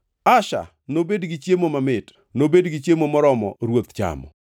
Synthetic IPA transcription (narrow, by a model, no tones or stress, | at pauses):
aʃa̰ | nobedɡɪt͡ʃjemomamɪt | nobedɡɪt͡ʃjemomɔɾɔmɔ̰ɾwot̪t͡ʃa̰mɔ̰